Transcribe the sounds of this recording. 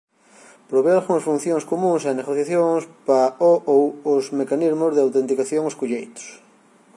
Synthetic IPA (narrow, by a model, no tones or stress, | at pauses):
pɾoβealɣuŋɐsfun̟θjõŋskomũŋsaneɣoθjaθjoŋspaoowosmekanizmozðeawt̪ẽnt̪ikaθjõŋoskoʎejt̪o̥s